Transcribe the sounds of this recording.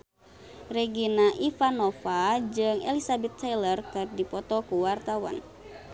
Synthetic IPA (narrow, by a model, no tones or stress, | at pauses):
rɛɡinaʔifanɔfad͡ʒɨŋʔɛlisabɛt̪ːajlərkɨrdipɔt̪ɔkuwart̪awa̰n